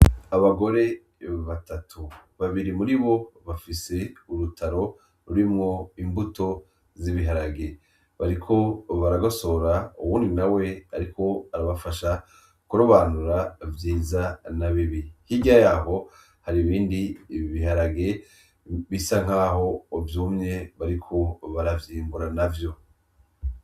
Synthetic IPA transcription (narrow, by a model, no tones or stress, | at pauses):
aβaɡo̞ɾe̞ | βatatʰuβaβiɾimuɾiβo̞βafise̞uɾutʰaɾo̞ | ɾuɾimŋo̞imbuto̞ | ziβiɦaɾaɡe̞ | βaɾikʰo̞βaɾaɡoso̞ɾaṵβuːndinawe̞aɾikʰo̞aɾaβafaʃa | kuɾoβaːnuɾavjiːzanaβiβihiɟajaːɦo̞ | haɾiβiːndiβiɦaɾaɡe̞ | βisaŋ̥haːho̞ːvjumɲe̞βaɾikʰo̞βaɾavjiːmbuɾanavjo̞